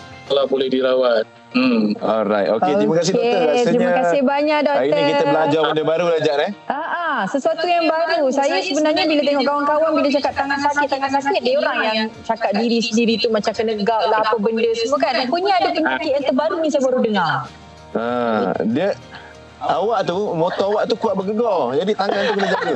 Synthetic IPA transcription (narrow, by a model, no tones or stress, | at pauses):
k̪əlabolɛhdiɾawat̪̩̚ | ɔɾajt̪̚okeoɾimakasɪket̪ɾimakasɪhbaɲaʔdɔk̪əkiəbəlad͡ʒɔbəndəbaɾuɾad͡ʒaʔnɛʔəʔasəsuat̪ujaŋbaɾusajasəbənarɲabilat̪eŋɔʔkawaŋkawaŋbilat͡ʃakat̪ːaŋansakɪt̪ːaŋansakɪt̪̚dajoɾaŋjaŋt͡ʃakat̪̚diɾisəndiɾit̪umat͡ʃamkənəɡawʔlaapəbəndəsəmuokanpuɲaadakənak̪iʔjant̪əbaɾunisajabaɾudəŋar | ədiə | awaʔt̪umot̪ɔawaʔt̪ukuaʔbəɡəɡɔd͡ʒadit̪aŋãnt̪ukənad͡ʒaʔu